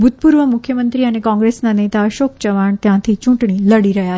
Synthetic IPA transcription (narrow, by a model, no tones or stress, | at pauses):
bʱut̪̚puɾʋəmukʰjəmənt̪ɾiənekɔ̃ŋɡɾesnanet̪aəʃok̚t͡ɕəʋaɳt̪jãt̪ʰit͡ʃũʈɳ̃iləɽiɾəɦja